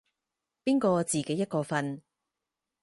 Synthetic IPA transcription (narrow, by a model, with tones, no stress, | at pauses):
piː˥nkɔː˧t͡siː˨˩ke˨˥jɐ˥t̚kɔː˧fɐ˧n